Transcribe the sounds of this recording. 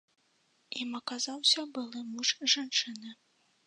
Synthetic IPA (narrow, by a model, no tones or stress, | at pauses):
imɐkazawsʲɐbɨlˠɨmuʂʐant͡ʂɨnɨ